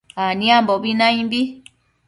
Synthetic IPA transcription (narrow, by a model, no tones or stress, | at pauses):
anĩãmbobinãĩmbi